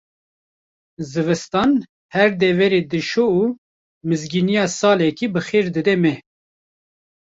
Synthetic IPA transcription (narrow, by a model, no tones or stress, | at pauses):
zɨvɨst̪ɑːn | hɛɾd̪ɛvɛɾeːd̪ɨʃouː | mɨzɡinijɑːsɑːlɛkibɨxeːɾd̪ɨd̪ɛmɛ